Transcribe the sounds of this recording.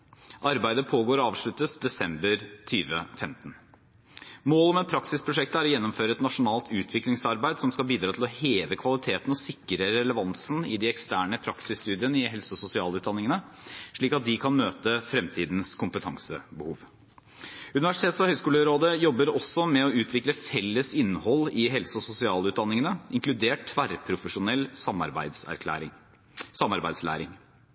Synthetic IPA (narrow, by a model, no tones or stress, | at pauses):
ʔɑɾbæɪd̪əpʰoːɡoːɾɔɑːʋʂɭʉt̪əsd̪ɛsɛmbəɾt̪ʰyːʋə̰fɛmt̪n̩ | moːlɔmɛt̪̚pʰɾɑksɪspʰɾʊʂɛkt̪əæɾɔjɛnːɔmføːɾəɛt̪nɑʂʊnɑːlt̪ʉːt̪ʰʋɪklɪŋsɑɾbæɪd̪sɔmskɑlbiːd̪ɾɑːt̪ʰɪlɔheːʋəkʰʋɑlɪt̪ʰeːt̪ənəɔsɪkːəɾəɾɛləʋɑnsənəɪd̪ɪɛkst̪æːɳəpʰɾɑksɪst̪ʉːd̪ɪənəɪɦɛlsɔsʊsɪɑːləʉːt̪d̪ɑnɪŋənəʂɭiːkɑt̪̚d̪ɪkʰɑnmøːt̪əfɾɛmt̪ʰiːd̪n̩skʰʊmpət̪ʰɑŋsə̰bəhuːʋ | ʉnɪʋæʂɪt̪ʰeːt̪sɔhœʏskuːləɾoːd̪əjɔbːəɾɔsːɔmɛɔʉːt̪ʰʋɪkləfɛlːəsɪnːəhɔlːɪɦɛlsəɔsʊsɪɑːlʉːt̪̚d̪ɑnːɪŋənəʔɪŋklʉd̪eːʈtʰʋæɾpʰɾʊfəʂʊnɛlsɑmɑ̰ɾbæ̰ɪsæ̰ɾk̪ʰæ̰ːɾɪŋ | sɑmːɑɾbæɪd̪slæ̰ːɾɪŋ